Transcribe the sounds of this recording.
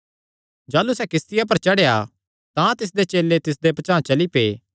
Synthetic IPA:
d͡ʒaːlusɛkɪst̪ɪjap̬ɐɾt͡ʃɐɽeja | t̪ãt̪ɪs̬d̪et͡ʃeːlːet̪ɪs̬d̪epɐt͡ʃãːt͡ʃɐlipḛː

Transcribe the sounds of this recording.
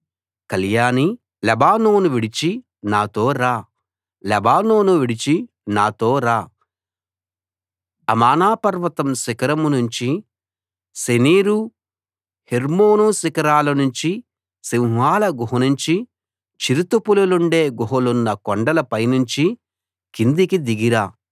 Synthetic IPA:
kɐljaːni | lɛbaːnoːnuʋiɽit͡ʃi | naːt̪o̞ːɾaː | lɛbaːno̞ːnuʋiɽit͡ʃi | naːt̪o̞ːɾaː | ɐmaːnaːpɐɾʋɐt̪ɐmsikɐɾɐmnuɲt͡ʃi | seniːɾu | heɾmoːnusikɐɾaːlɐnuɲt͡ʃi | siŋʋaːlɐɡuɦɐnuɲt͡ʃi | t͡ʃiɾut̪upululuɳɖe̞ːɡuɦulunːɐkɔɳɖɐlɐpɐjnuɲt͡ʃi | kind̪ikid̪iɡiɾaː

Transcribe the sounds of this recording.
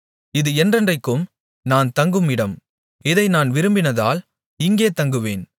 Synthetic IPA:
ɪðɯɛndrɐndrɐɪkːɯm | naːnt̪ɐŋɡɯmɪɽɐm | ɪðɐɪnaːnʋɪɾɯmbɪnɐða̰ːl | ɪŋɡeːt̪ɐŋɡɯʋeːn

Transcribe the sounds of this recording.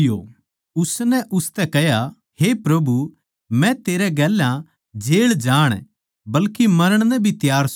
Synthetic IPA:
jo̰ | ʊsnɛʔʊst̪ɛkɐja | hepɾɐbʱu | mɛ̃t̪eːɾɛɡɛːlːã | d͡ʒeːɭd͡ʒaːɽ̃ | bɐlkemɐɾəɽ̃nɛ̃bʱit̪jaːɾs

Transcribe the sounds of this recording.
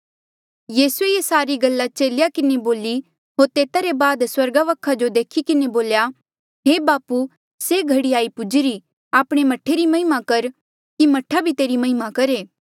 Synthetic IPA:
jiːsueesaːɾiɡɐlːat͡ʃeːlɪjakɪneboːli | ɦoːɾt̪eːt̪aɾebaːd̪swɐɾɡaʋɐkʰad͡ʒod̪eːkʰikɪneboːlja | ɦeːbaːpu | seɡʱɐɽiaːipʊd͡ʒɪɾi | aːpɽ̃emɐʈʰeɾimɐɦɪmakɐɾ | kimɐʈʰabʱit̪eːɾimɐɦɪmakɐɾeː

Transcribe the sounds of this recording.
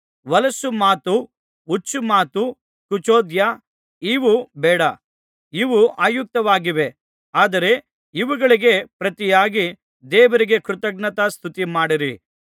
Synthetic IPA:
ʋɐlɐsumaːt̪uː | t͡ʃːumaːt̪u | kut͡ʃoːd̪jɐ | iːʋubɛːɽɐ | iʋuʔaːjuk̚t̪ɐʋaːɡiʋe̞ | aːd̪ɐɾe̞ | iʋuɡɐɭiɡe̞pɾɐt̪ijaːɡi | d̪ɛːʋɐɾiɡe̞kɾut̪ɐɡ̚ɳɐt̪ɐst̪ʰut̪imaːɽiɾi

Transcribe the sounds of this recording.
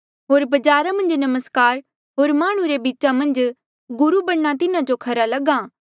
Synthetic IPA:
ɦoːɾbɐd͡ʒaːɾamɐ̃nd͡ʒnɐməskaːɾ | ɦoːɾmaːɽ̃ũɾebiːt͡ʃamɐ̃nd͡ʒ | ɡʊɾubɐɽːat̪̬ɪnãd͡ʒokʰɐɾalɐɡãː

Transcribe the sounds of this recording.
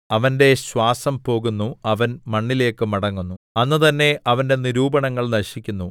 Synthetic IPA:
ɐʋɐnde̞ɕwaːsɐmpo̞ːɣunːuɐʋɐnmɐɳːile̞ːkːɨmɐɽɐŋːunːuɐnːɨt̪ɐnːe̞ʔɐʋɐnde̞niɾuːbɐɳɐŋːɐɭnɐɕikʲːunːu

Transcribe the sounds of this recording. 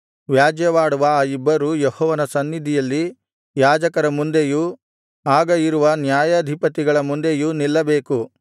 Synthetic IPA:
ʋjaːd͡ʒjɐʋaːɽuʋɐaːibːɐɾujehɔːʋɐnɐsɐnːid̪ʱijɐlːi | jaːd͡ʒɐkɐɾɐmund̪eju | aːɡɐiɾuʋɐnjaːjɐːd̪ʱipɐt̪iɡɐɭɐmund̪ejunilːɐbe̞ːku

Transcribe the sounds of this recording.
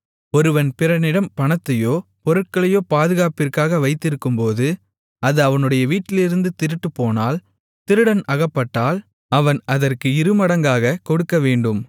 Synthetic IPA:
ɔɾɯʋɐnpɪɾɐnɪɽɐmpɐɳɐt̪ːɐjoːpɔɾɯʈ̚kɐɭɐjoːpaːðɯɣaːpɪrkaːɣɐʋɐɪt̪ːɪɾɯkːɯmpoːðɯ | ɐðɯɐʋɐnɯɽɐjɐʋiːʈːɪlɪɾɯnd̪ɯt̪ɪɾɯʈːɯpːoːnaːl | t̪ɪɾɯɽɐnɐɣɐpːɐʈːaːl | ɐʋɐnɐðɐrkɯɪɾɯmɐɽɐŋɡaːɣɐkɔɽɯkːɐʋeːɳɖɯm

